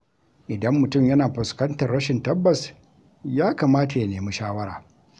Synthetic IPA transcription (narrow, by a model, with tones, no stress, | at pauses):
ʔɪ˨dɐ˦mːʊ˨tʊ˦˨mjɐ˦naː˨ɸʊ˨skɐ˦ntɐ˨rːɐ˦ʃɪ˨ntɐ˦bːɐ˨s | jaː˦kaː˨maː˦ta˨ja˨neː˨mu˦ʃaː˦wɐ˦ɾaː˨